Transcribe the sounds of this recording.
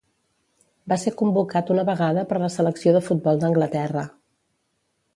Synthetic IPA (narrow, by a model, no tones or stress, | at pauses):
basekumbukat̪unəβəɣaðəpəɾləsələksioðəfud̪̚bɔlˠd̪əŋɡlət̪ɛrə